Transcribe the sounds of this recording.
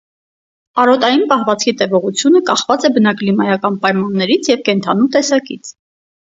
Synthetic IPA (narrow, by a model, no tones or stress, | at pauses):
ɑɾɔt̪ɑjinpɑhvɑt͡sʰkʰit̪ɛvɔʁut͡sʰjunəkɑχvɑt͡sɛbənɑklimɑjɑkɑnpɑjmɑnːɛɾit͡sʰjɛvkɛnt̪ʰɑn̪ut̪ɛsɑkḭt͡sʰ